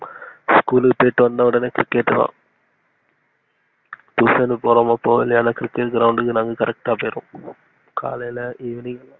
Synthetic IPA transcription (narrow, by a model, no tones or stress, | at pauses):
skuːlpːeːʈːɨʋɐnːɐuɽɐnekɾikːeʈːɨt̪a̰ː | t̪uːsɐnɨpoɾɐmɐpːoːilijaːnɐkɾikːeːʈɡɾɐwɳɖɨkɨnaːŋɡɨkɐɾɐk̚ʈaːpeːɾṵ | kʰa̰ːlɐlɐʔeːʋiniŋ